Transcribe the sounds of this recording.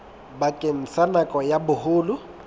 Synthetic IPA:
bakʼen̩sanakʼɔjabʊhʊːlʊ

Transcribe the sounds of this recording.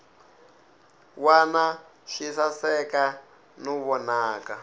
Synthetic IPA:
wana | ʃisasɛka | nuβɔnaːka

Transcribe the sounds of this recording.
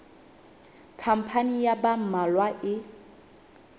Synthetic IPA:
kʰam̩pʰanijabam̩malwaʔɪ

